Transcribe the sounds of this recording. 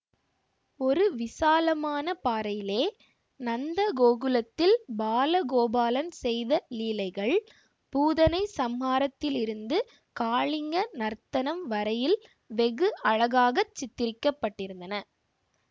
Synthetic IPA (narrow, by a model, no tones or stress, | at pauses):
ɔɾɯʋɪsaːlɐmaːnɐpaːɾɐjɪleː | nɐnd̪ɐɡoːɣɯlɐt̪ːɪlbaːlɐɡoːbaːlɐnsɛjðɐliːlɐɪɣɐɭ | puːðɐnɐɪsɐmhaːɾɐt̪ːɪlɪɾɯnd̪ɯ | kaːɭɪŋɡɐnɐɾt̪ɐnɐmʋɐɾɐjɪl | ʋɛɣɯʔɐɻɐɣaːɣɐt͡ʃːɪt̪ːɪɾɪkːɐpːɐʈːɪɾɯnd̪ɐnɐ